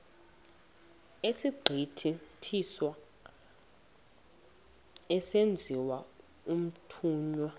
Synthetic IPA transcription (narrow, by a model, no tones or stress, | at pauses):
esiɡ͡ǃʱitʰitʰiswa | ɛsend͡zʱiwa | um̩tʰuːɲwa